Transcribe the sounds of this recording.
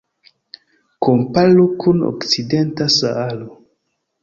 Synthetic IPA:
kompalokʰuno̰kt͡sidentasa̰alo

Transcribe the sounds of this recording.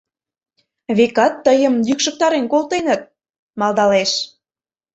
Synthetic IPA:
βekɑt̪ːəjə̆mjykʃək̚t̪ɑɾenkolˠt̪enət̪̚ | mɑld̪ɑleʃ

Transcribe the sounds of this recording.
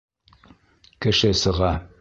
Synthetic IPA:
kɘ̆ʃɘsɤ̆ʁɑ

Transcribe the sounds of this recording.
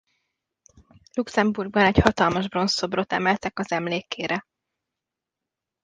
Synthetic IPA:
luksɛmburɡ̚bɒnɛchɒt̪ɒlmɒʒbro̞nso̞bro̞t̪ɛ̰mɛlt̪ɛkɒzɛmleːkeːɾɛ

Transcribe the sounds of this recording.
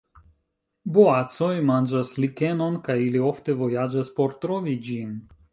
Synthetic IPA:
boat͡so̞jmand͡ʒaslike̞no̞nkajilio̞fte̞vo̞jad͡ʒaspo̞ɾtɾo̞vid͡ʒin

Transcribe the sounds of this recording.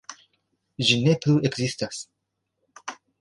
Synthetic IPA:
ʒinepluekzistas

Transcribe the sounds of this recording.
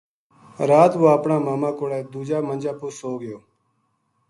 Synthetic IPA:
ɾaːt̪ʋoːəpɳaːmaːmaːkoːɽeːd̪uːd͡ʒaːmənd͡ʒaːpʊːsoːɡɪjoː

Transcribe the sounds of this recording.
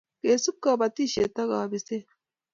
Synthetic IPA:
kesup̚kaːbɐt̪iɕet̪ɐɡaːbise

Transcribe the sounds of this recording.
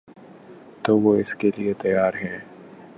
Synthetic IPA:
t̪oːʋoːɪskeliet̪ɐjaːɾɦɛ̃ː

